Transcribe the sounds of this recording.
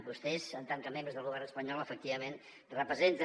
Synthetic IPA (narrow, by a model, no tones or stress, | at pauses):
bust̪ɛzənt̪aŋkəmẽmbɾəzðəlˠβuɣaɾəspəɲɔlˠəfək̚t̪iβəmẽn | rəpəzen